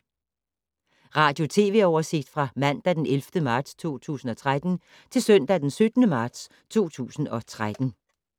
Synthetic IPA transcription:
ʁɑ̈ːd̥jo̝t͡sʰe̝̰ːʋe̝ɒʊɐse̝ɡ̥̚d̥fʁɑ̈mæn̰d̥æd̥enelfd̥əmɑ̈ːd̥st͡sʰo̝̰ːt͡sʰṵːsn̩ɒ̽t͡sʰʁad̥n̩ | t͡sʰe̝lsœn̰d̥æd̥ensød̥nəmɑ̈ːd̥s | t͡sʰo̝̰ːt͡sʰṵːsn̩ɒ̽t͡sʰʁad̥n̩

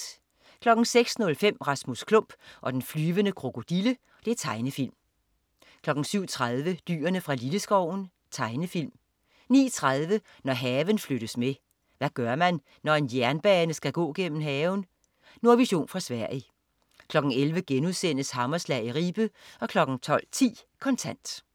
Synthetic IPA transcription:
kʰlɒ̽ɡ̥n̩seɡ̥snɔ̽lfem̰ʁɑ̈smuskʰlɔ̽m̰b̥ʔɒ̽d̥enflyːʋənəkʰʁo̝kʰo̝d̥ilə | d̥e̝æɐt͡sʰɑ̈ɪnəfil̰m | kʰlɒ̽ɡ̥n̩syʊ̰t͡sʰʁað̞ˠʋəd̥y̰ːɐnəfʁɑ̈liləsɡ̥ɒʊ̰n̩ | t͡sʰɑ̈ɪnəfil̰m | nḭːt͡sʰʁað̞ˠʋə | nɒɦɛːʋən̩fløɾ̥əsme | ʋæɡ̥ɶɐmænː | ɒe̝njæɐnb̥ɛːnəsɡ̥æɡ̥ɔ̰̽ːɡ̥en̰m̩ɦɛːʊn | noɐʋiɕo̝̰ːnfʁɑ̈sʋæɐ̰i | kʰlɒ̽ɡ̥n̩elʋəɡ̥enuðˠsenəshɑ̈mɐslɛɪiʁiːb̥əɒ̽kʰlɒ̽ɡ̥n̩t͡sʰɒ̽l̰t͡sʰḭːkʰɒ̽nt͡sʰæn̰d̥

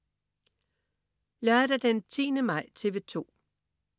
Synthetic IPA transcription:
jɑɾ̥æd̥ent͡sʰḭːnəmɑ̈ɪ̰t͡sʰe̝ʋe̝t͡sʰo̝̰ː

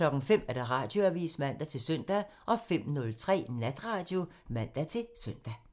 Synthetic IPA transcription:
lɒ̽ɡ̥n̩fem̰æɐd̥ɑ̈ʁɑ̈d̥jo̝æʋḭːsmæn̰d̥æt͡sʰe̝lsœn̰d̥æ | ʔɒ̽fem̰nɔ̽lt͡sʰʁɛ̰ːnæd̥ʁɑ̈ːd̥jo̝ | mæn̰d̥æt͡sʰe̝lsøn̰d̥æ

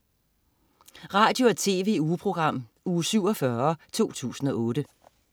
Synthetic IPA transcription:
ʁɑ̈ːd̥jo̝æt͡sʰe̝̰ːʋe̝̰ːuːpʰʁo̝ɡ̥ʁɑ̈m̰ | uːsyʊ̰ɒfɶɐt͡sʰo̝̰ːt͡sʰṵːsn̩ɒ̽ʔɔ̽ːɾ̥ə

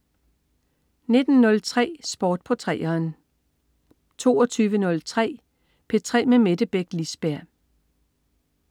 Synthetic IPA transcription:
ne̝d̥n̩nɔ̽lt͡sʰʁɛ̰ːsb̥ɒːd̥̚pʰɒ̽t͡sʰʁɛ̰ːɐːn | t͡sʰo̝̰ːɒt͡sʰyːʋənɔ̽lt͡sʰʁɛ̰ː | pʰe̝t͡sʰʁɛ̰ːmemed̥əb̥eɡ̥lisb̥æɐ̰

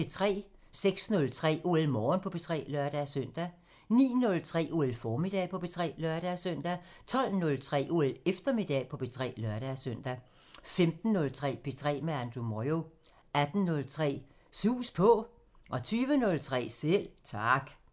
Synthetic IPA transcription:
et͡sʰʁɛ̰ːseɡ̥snɔ̽lt͡sʰʁɛ̰ːʔo̝elmɒːnpʰɒ̽b̥e̝t͡sʰʁɛ̰ːlœɐd̥æsœn̰d̥æ | nḭːnɔ̽lt͡sʰʁɛ̰ːʔo̝ːelfɒːmid̥ɛ̰pʰɒ̽b̥e̝t͡sʰʁɛ̰ːlœɐɾ̥æsœn̰d̥æt͡sʰɒ̽l̰nɔ̽lt͡sʰʁɛ̰ːʔo̝elefd̥ɐme̝d̥ɛ̰pʰɒ̽b̥e̝t͡sʰʁɛ̰ːlɶɐɾ̥æsœn̰d̥æ | femd̥n̩ːɔ̽lt͡sʰʁɛ̰ːb̥e̝t͡sʰʁɛ̰ːmeænd̥ʁumɒjo | æd̥n̩nɔ̽lt͡sʰʁɛ̰ː | suːspʰɒ̽ | ʔɒ̽t͡sʰyːʋənɔ̽lt͡sʰʁɛ̰ːsel̰t͡sʰɑ̈ɡ̥

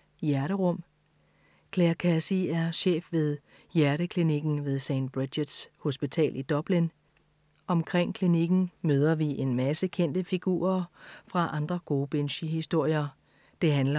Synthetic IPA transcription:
jæɐɾəʁɔ̽m̰ | kʰleɐkʰæsiæɐɕḛːfʋe̝ð̞ˠ | jæɐɾəkʰliniɡ̥n̩ʋe̝ð̞ˠseɪnd̥̚b̥ʁi̥jed̥sho̝sb̥it͡sʰɛ̰ːlʔid̥ɒ̽b̥lin | ɒ̽mkʰʁeŋ̰kʰliniɡ̥n̩møːð̞ˠɐʋiʔe̝nmæsəkʰen̰d̥əfiɡ̥ṵːɐfʁɑ̈ʔɑ̈nd̥ʁɐɡ̥o̝ːb̥enɕiɦisd̥o̝ɐ̰jɐ | d̥e̝ɦænlɐ

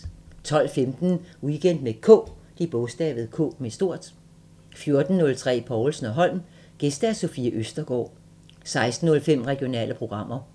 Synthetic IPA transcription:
t͡sʰɒ̽l̰femd̥n̩iɡ̥en̰d̥mekʰɔ̰ːd̥ib̥ɔ̽sd̥ɛ̰ːʋð̩ˠkʰɔ̰ːmesd̥o̝ɐ̰d̥ | fjo̝ɐd̥n̩ːɔ̽lt͡sʰʁɛ̰ːpʰɒʊlsn̩ɒ̽ɦɒ̽l̰m | ɡ̥e̝sd̥æso̝fiəʔøsd̥ɐɡ̥ɒ̰ː | sɑ̈ɪsd̥n̩ːɔ̽lfem̰ʁɛɡ̥io̝nɛ̰ːlʔəpʰʁo̝ɡ̥ʁɑ̈m̰ɐ

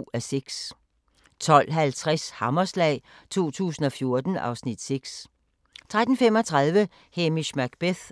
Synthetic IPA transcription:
æseɡ̥s | t͡sʰɒ̽l̰ɦælt͡sʰʁashɑ̈mɐslɛ̰ː | t͡sʰo̝̰ːt͡sʰṵːsn̩ɒ̽fjo̝ɐd̥n̩ɑ̈ʊsnid̥se̝ɡ̥s | t͡sʰʁad̥n̩fem̰ɒ̽t͡sʰʁɑ̈ð̞ˠʋə | hemismæɡ̥b̥eθ

